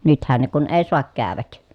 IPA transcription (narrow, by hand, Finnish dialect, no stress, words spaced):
nythæn ne kun eː soɑk kæːʋæk